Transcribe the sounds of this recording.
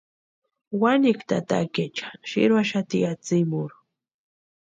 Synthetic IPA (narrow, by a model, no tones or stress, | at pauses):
wanɪkt̪a̰t̪a̰ket͡ʃḁʃɪ̰ɾwaʃat̪ijat͡sɪmʊɾ